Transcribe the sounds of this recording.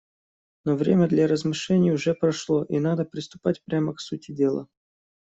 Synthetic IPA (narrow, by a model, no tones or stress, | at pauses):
novɾʲemʲəd̪lʲaɾəzmɨʂlʲenʲɪjʊʐɛpɾɐʂlˠoʔinad̪əpɾʲɪst̪ʊ̥patʲpɾʲaməksutʲɪdʲe̞lˠə̰